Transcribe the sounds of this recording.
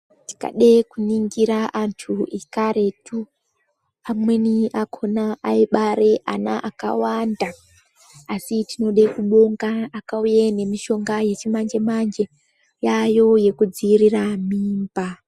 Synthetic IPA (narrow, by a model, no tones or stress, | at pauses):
ti̥ka̰ɗekuniŋɡiɾaʔantʰuʔekaɾe̞tʰu | amwe̞niʔakʰo̞naʔaiɓaɾe̞ʔa̰naʔaka̰wandaː | sitino̞ɗekuɓo̞ŋɡaːkaujene̞miʃo̞ŋɡaje̞t͡ʃimand͡ʒemand͡ʒe̞ | jajo̞je̞kud͡ziiriramiːmba